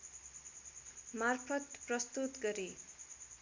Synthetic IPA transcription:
marpʰʌt̪prʌst̪ut̪ɡʌɾi

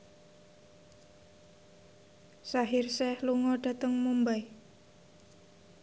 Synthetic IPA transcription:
saɦɪrsɛhluŋɔɖ̥a̤t̪əŋmumbaj

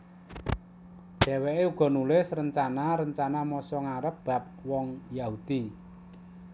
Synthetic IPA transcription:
ɖ̥ɛ̤weʔeuɡ̥ɔ̤nulɪsrəɲt͡ʃanaɾəɲt͡ʃanamɔsɔŋaɾəp̚b̥a̤p̚wɔŋjaɦud̪̥i

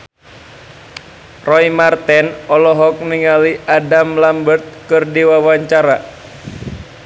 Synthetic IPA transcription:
rɔimart̪ɛnɔlɔɦɔk̚niŋaliʔadamlambərt̪̚kɨrdiwawaɲt͡ʃaɾa

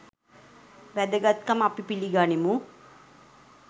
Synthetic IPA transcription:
ʋɛd̪əɡat̪̚kamapipiliɡaːnimu

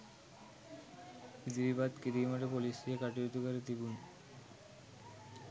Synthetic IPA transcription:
id̪ɾibad̪kiɾimaʈepolisiekaʈiot̪ukaɾet̪ibun

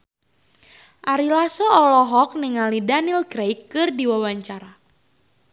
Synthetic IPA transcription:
ʔaɾilasɔɔlɔɦɔk̚niŋalidanilɡɾejkːɨrdiwawaɲt͡ʃaɾa

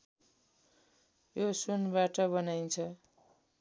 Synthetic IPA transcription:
josunbaʈʌbʌnajnt͡sʰʌ

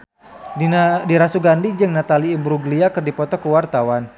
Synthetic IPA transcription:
diɾasuɡandid͡ʒɨŋnat̪aliːmbɾuɡliakɨrdipɔt̪ɔkəwart̪awan

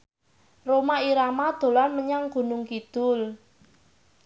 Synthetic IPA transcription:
romaiɾamad̪̥o̤lanməɲaŋɡ̥ṳnʊŋkid̪̥ʊl

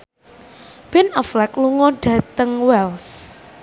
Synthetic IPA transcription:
b̥ɛnɔflɛkluŋɔɖ̥ä̤t̪əŋwɛls

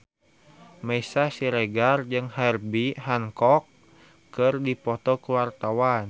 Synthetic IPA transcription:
mɛisasiɾɛɡard͡ʒɨŋhɛrbiɦaŋkɔkː | ɨrdipɔt̪ɔkuwart̪awan

